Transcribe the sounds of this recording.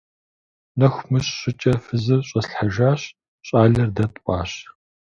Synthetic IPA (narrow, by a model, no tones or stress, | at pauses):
nɐxʷmɨɕɕɪt͡ʃʼɐfɨzɨrɕʼɐsɬħaʒaːɕ | ɕʼaːɮɐrdɐtʼʔʷʼɑ̰ːɕ